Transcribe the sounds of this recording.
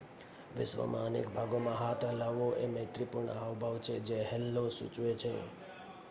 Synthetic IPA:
ʋɪsʋə̰mʔãənḛkbʱaɡomãɦaʈ̪ʰəlaʋoʔemət̪ɾipuɾɳaʋbʱəʋt͡ʃʰed͡ʒeɦɛlːosṵt͡ʃʋet͡ʃʰḛ

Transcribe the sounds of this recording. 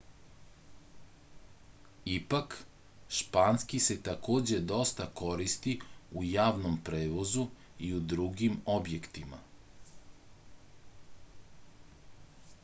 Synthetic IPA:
ipak | ʃpaːnskise̞t̪akoːd͡ʑe̞d̪o̞st̪ako̞ɾist̪iujaːʋnompɾeːʋo̞zu | iud̪ɾuɡimo̞bje̞kt̪ima̰

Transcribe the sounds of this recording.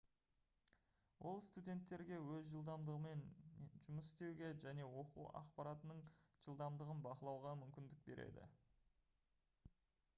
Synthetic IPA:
wʔo̞lˠst̪udʲe̞nt̪ːe̞ɾɡʲe̞wɵzʒəlˠd̪ɑmd̪əʁəme̞nʒʊməsɪ̥st̪e̞wɡʲe̞ʒæne̞wo̞qṵɑ̰qpɑɾat̪ənəɴʒ̥əlˠd̪ɑmd̪əʁənbɑqəlˠɑwʁɑmʏmkʲɪnd̪ɪk̚be̞ɾe̞̰d̪ɪ̰

